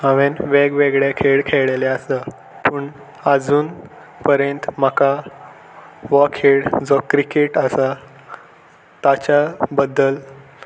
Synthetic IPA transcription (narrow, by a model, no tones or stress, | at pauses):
aʋenʋeɡʋeɡɭekʰeɭkʰeɭelɛəsə | pəɳ | əd͡zuːn | pəɾjənt̪m̤əka | ʋɔkʰeɽd͡zɔkɾikeʈəsa | t̪at͡ɕabəd̪ːəl